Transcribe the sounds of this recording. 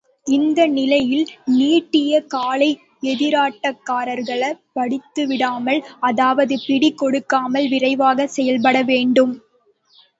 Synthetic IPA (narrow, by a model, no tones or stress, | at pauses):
ɪnd̪ɐnɪlɐjɪlniːʈːɪjɐkaːlɐɪ | ɛðɪɾaːʈːɐkːaːɾɐɾɣɐɭɐpɐɽɪt̪ːɯʋɪɽaːmɐɭɐðaːʋɐðɯpɪɽɪkːɔɽɯkːaːmɐlʋɪrɐɪʋaːɣɐsɛjɐlpɐɽɐʋeːɳɖɯm